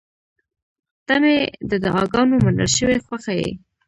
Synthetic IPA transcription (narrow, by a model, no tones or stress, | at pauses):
t̪amed̪əd̪əʔɑɡɑnomanə̰lʃəwexwaxajḛ